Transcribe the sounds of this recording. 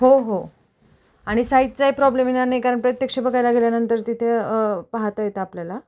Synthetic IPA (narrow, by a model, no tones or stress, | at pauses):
ɦoɦo | aɽ̃isait̪t͡saipɾɔblemenanajkaɾəɳpɾət̪jəkʂebəɡajlaɡʱeljanənt̪əɾt̪it̪ʰeəpaɦt̪ajet̪eapljala